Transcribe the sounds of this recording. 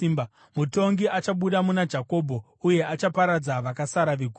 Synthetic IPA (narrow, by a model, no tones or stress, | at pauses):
muto̞ŋɡiʔat͡ʃaɓuɗamunad͡ʒako̞ːbʱo̞ | uje̞ʔat͡ʃapaɾad͡zaʋakasaɾaʋeɡʱu